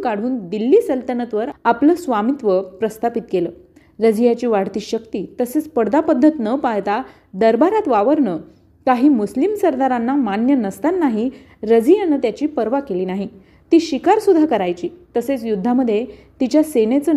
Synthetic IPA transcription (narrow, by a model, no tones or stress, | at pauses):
kaɽ̤uːnd̪ilːiːsəlt̪ənət̪ʋəɾapləːsʋamit̪ʋəpɾəst̪ʰapit̪keləː | ɾəd͡zijat͡ɕiːʋaɽ̤t̪iːɕəkt̪iːt̪əset͡spəɽd̪apəd̪ʱːət̪nəpajt̪a | d̪əɾbaɾat̪ʋaʋəɾɳə | kaɦiːmuslimsəɾd̪aɾanːamanjənəst̪anːaɦi | ɾəd͡zijanət̪jat͡ɕiːpəɾʋakeliːnaɦi | t̪iːɕikaɾsud̪ʱːakəɾajt͡ɕiːt̪əset͡sjud̪ʱːaməd̪ʱːje | t̪it͡ɕjasenet͡sə